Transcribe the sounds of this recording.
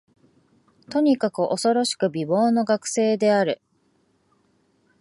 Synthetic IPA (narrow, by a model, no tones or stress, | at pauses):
t̪o̞ɲ̟ikakɯ̟ʔo̞so̞ɾo̞ɕi̥kɯ̟bʲibo̞ːno̞ɡakɯ̟̥se̞ːd̪e̞aɾɯ̟